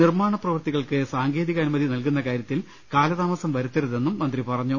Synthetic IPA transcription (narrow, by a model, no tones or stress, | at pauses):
nirmaːɳɐprɐʋɐrt̪iɣɐɭkɨsaːŋɡeːðiɣɐnumɐðinɐlkunːɐkaːɾjɐt̪ːil | kaːlɐðaːmɐsɐmʋɐɾut̪ːɐɾuðe̞nːumːɐnd̪ripɐrɐɲːu